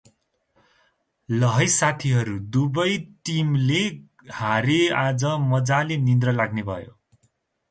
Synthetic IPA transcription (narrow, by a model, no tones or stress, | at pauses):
lʌɦʌjsat̪ʰiɦʌɾud̪ubʌjʈimle | haɾead͡zʌmʌd͡zalenind̪rʌlaɡnebʱʌ̰jo̰